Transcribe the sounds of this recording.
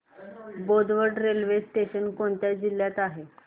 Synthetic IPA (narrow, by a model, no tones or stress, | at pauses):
bod̪ʋəɖɾelʋesʈeɕənkoɳt̪jad͡ʑilːjat̪aɦe